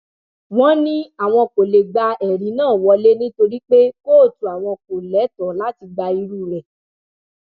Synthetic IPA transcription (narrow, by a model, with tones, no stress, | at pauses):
wɔ̃˦nĩ˦a˦˨w̃ɔ̃˧ko˨le˨ɡ͡ba˧ɛ˨ɾi˨˦nãː˦˨wɔ˧le˦nĩ˦to˧ɾi˦k͡pe˦koː˦˨tũ˨˦a˨w̃ɔ̃˧ko˨lɛ˨˦tɔ˨˦la˦ti˧ɡ͡ba˧i˧ɾu˦˨ɾɛ˨